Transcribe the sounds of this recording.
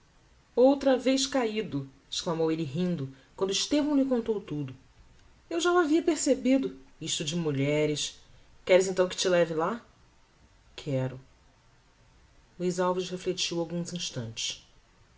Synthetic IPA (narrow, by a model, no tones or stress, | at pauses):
owt̪ɾɐvejskaid̪ʊɪʃklamowelɪɦĩnd̪ʊkwɐ̃nd̪ʊiʃt̪evɐ̃w̃lɪkõnt̪owt̪ud̪ʊ | ewʒawaviɐpeɾsebid̪ʊiʃt̪ʊd͡ʒɪmuʎɛɾɪs | kɛɾɪzẽnt̪ɐ̃w̃kɪ̥t͡ʃɪlɛvɪla | kʰɛɾʊ | luijzawvɪʃheflet͡ʃiwawɡũzĩʃt̪ɐ̰̃nt͡ʃɪ̥ʃ